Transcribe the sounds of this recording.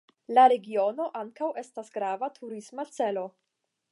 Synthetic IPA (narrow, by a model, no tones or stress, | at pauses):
laɾe̞ɡio̞no̞ʔaŋkawe̞stasɡɾavatʰuɾismat͡se̞lo̞